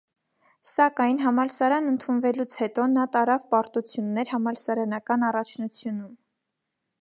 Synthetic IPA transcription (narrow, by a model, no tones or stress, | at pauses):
sɑkɑjnɦɑmɑlsɑɾɑnənt̪ʰunvɛlut͡sʰhɛt̪ɔnɑt̪ɑɾɑvpɑɾt̪ut͡sʰjunːɛɾhɑmɑlsɑɾɑnɑkɑnɑrɑt͡ʃʰnut͡sʰjunum